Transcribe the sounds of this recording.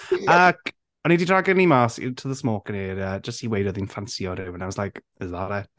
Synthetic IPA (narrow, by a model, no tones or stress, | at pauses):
əkʰ | ɔnididraɡənimasɪ̰tʰəðəsmoːkəniːɾəːd͡ʒəsthiwejdɔðinfansiɔɾɪwə̃nawɔslajk | ɪzðaɾɛ